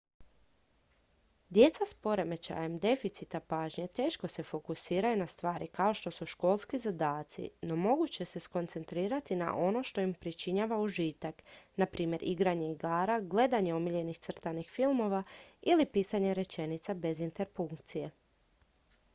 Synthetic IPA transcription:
d̪je̞t̪saspo̞ɾe̞me̞t͡ɕa̰jemd̪e̞fit̪sit̪apaːʒɲet̪e̞ːʃko̞se̞fo̞kusiːɾajunast̪ʋaːɾikao̞ʃt̪o̞suʃko̞ːlˠskizad̪aːt̪sḭno̞mo̞ɡut͡ɕe̞se̞sko̞nt̪se̞nt̪ɾiːɾat̪ina̰ʔo̞no̞ʃt̪o̞impɾit͡ʃiɲaʋauʒit̪aknapɾʔiːmje̞ɾʔiɡɾaɲe̞iɡaːɾaɡle̞d̪aɲe̞omiʎe̞nixt̪sr̩t̪anixfilˠmo̞ʋailipiːsaɲeɾe̞t͡ʃe̞nit̪sabe̞zint̪e̞ɾfuŋkt̪sije̞

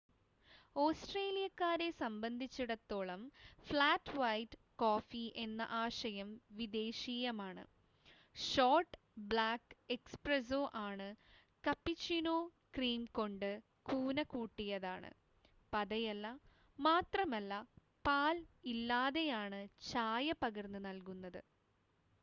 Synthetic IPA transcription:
o̞ːsʈreːlijɐkːaːɾe̞sɐmbɐnd̪ʱit͡ɕːuɽɐt̪ːo̞ːɭɐmfɭaːtːʋɐjtːɨ | koːfiʔe̞nːɐ̰ʔaːʂɐjɐmʋid̪e̞ːɕiːjɐmaːɳɨ̰ | ʂoːrʈːɨ | bɭaːkːekspres̬oːʔaːɳɨ | kɐpːit͡ɕːinoː | kriːmko̞ɳɖɨ | kuːnɐkuːʈːijɐðaːɳɨ̰ | pɐðɐjɐlːɐ | maːt̪rɐmɐlːɐ | paːlilːaːðe̞jaːɳɨt͡ɕaːjɐpɐɣɐrnːɨnɐlkunːɐðɨ

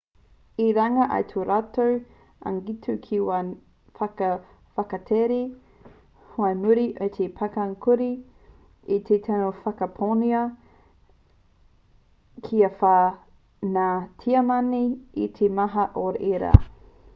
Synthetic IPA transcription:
iɾaŋɐʔɐ̰jt̪ʰoɾatow | a̰ŋɡitʰukʰiwa | fɐkɐ | fɐkɐtʰeɾi | hoɐnuɾiʔɐt̪ʰepʰakaŋkʰuɾi | it̪ʰet̪ʰanofɐkɐpʰoniɐ | kʰiɐfa | natʰiɐmɐniit̪ʰemɐɦɐʔoɾeɾa̰

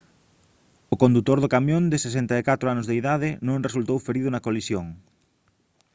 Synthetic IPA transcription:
ʊkõnd̪ut̪oɾðʊkamjõnd̪ɪsesent̪aekat̪ɾʊanʊzðeiðaðɪnõŋres̬ult̪owfeɾiðʊnɐkolisjoŋ

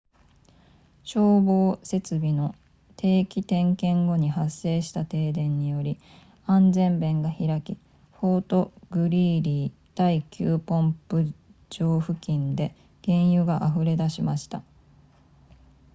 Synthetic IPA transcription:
ɕo̞ːbo̞ːse̞t͡sɨbʲino̞ | t̪ʰe̞ːkʲit̪ẽ̞ŋkẽ̞ŋɡo̞ɲ̟iɦasːe̞ːɕi̥t̪at̪e̞ːd̪ẽ̞ɲ̟ːijo̞ɾʲi | ãnd͡zẽ̞mbẽ̞ŋɡaçiɾakʲi | ɸo̞ːt̪o̞ɡɯ̟ɾʲiːɾʲiː | d̪̥aikʲʰɨːpõ̞mpɯ̟d͡ʑo̞ːɸɯ̟kʲĩnd̪e̞ | ɡ̥ẽ̞ɰ̃jɯ̟ɡaʔaɸɯ̟ɾe̞d̪aɕimaɕi̥t̪a

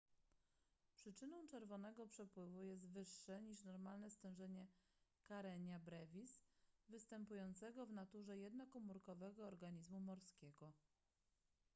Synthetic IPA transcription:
pʂɘt͡ʂɘnɔw̃t͡ʂɛɾvɔnɛɡɔpʂɛpwɘvujɛs̬t̪vɘʂːɛɲiʂnɔɾmalnɛst̪ɛ̃w̃ʐɛɲɛ | kaɾɛɲabɾɛvʲisvɘst̪ɛmpujɔnt̪sɛɡɔvnat̪uʐɛjɛd̪nɔkɔmuɾkɔvɛɡɔːɾɡaɲizmumɔɾskʲeɡɔ

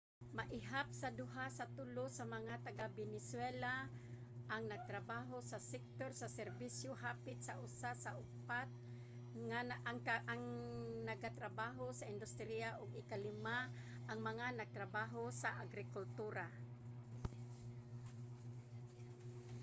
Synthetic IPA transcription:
maʔɪɦap̚sad̪ʊɦasat̪ʊlosamaŋat̪aɡabɪnɪswɛla | ʔaŋnaɡ̚t̪ɾabaːɦosasɛk̚t̪oɾsasɛɾbisjoɦaːpɪt̪̚saʔʊsasaʔʊpat̪̚ | ŋaŋaŋnaɡat̪ɾabaɦosaɪnd̪ʊst̪ɾijaʔʊɡɪkalɪma | ʔaŋmaŋanaɡ̚t̪ɾabaɦosaʔaɡɾɪkʊlt̪uɾa

